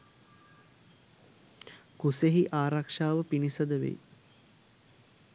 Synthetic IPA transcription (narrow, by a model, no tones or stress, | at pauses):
kuseɦiʔaːɾakʂaːʋəpinisəd̪əʋḛj